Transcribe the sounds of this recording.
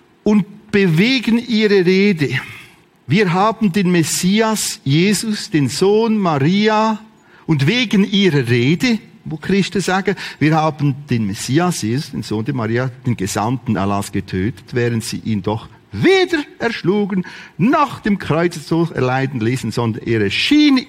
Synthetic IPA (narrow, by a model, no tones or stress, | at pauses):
ʔʊntb̥əveːɡənʔiːʁəʁeːdə | viːɐɦaːbn̩deːnmesiːasjeːzʊsd̥eːnzoːnmaʁiːa | ʔʊntveːɡənʔiːʁəʁeːdə | voːkʁ̥ɪstəzaːɡəviːɐhaːbən̩d̥eːnmesiːasjeːzʊsd̥ḛːnz̥oːndeːmaʁiːad̥eːnɡeza̰mtn̩ʔa̰lasɡ̥ətʰøːtə̥tvɛːʁəntz̥ḭːʔḭːndɔχ | veːdəɛɐʃluːɡənnɔχd̥emkʁ̥ɔʏt͡st͡soːsɛ̰ɐlaɪdn̩liːsn̩zɔndənʔeːɾɛʃiːn